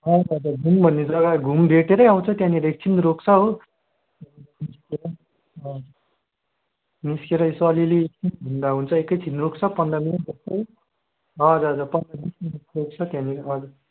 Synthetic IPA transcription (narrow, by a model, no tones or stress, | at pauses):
ɦʌd͡zd͡zaɡʱumbʱʌnːed͡zʌɡaɡʱumbʱeʈeɾʌjaw̃t͡sʰʌt̪jãniɾʌek̚t͡sʰint̪ɾokt͡sʰʌɦo | niskeɾʌ | ʌ | niskeɾʌesʌliliːk̚t͡sʰint̪bʱund̪aɦunt͡sʰʌekːʌjt͡sʰinrokt͡sʰʌpʌnd̪ʌminɾok̚t͡sʰʌɦo | ɦʌʌd͡zʌd͡zapʌnd̪ʌnisinɾok̚t͡sʰʌt̪jãniɾʌd͡za